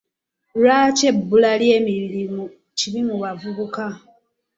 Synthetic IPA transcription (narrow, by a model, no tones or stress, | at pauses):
ɾaːce̞bːulaljeːmiilimu | cilimuβavuβuka